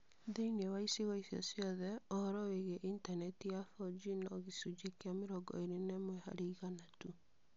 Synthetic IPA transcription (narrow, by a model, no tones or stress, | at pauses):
ðeinewaiseɣɔisjɔ̰sjɔðɛɔɔɾɔweɣeʔintanɛtijafɔd͡ʒinɔɣisud͡ʒekeameɾɔɡɔ̰eɾenɛmwɛha̰ɾeiɣanatu